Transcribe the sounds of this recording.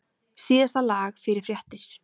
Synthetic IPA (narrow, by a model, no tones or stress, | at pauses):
siːðast̪alaːxfɪɾɪɾ̥fɾjaht̪ɪɾ̥